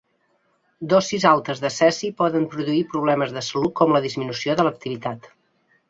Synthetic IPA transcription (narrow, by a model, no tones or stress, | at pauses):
d̪osːizalˠt̪əzðəsɛsipɔðəmpɾuðuipɾuβ̞lɛməzðəsəlukɔmləðizminusioðələk̚t̪iβit̪at̪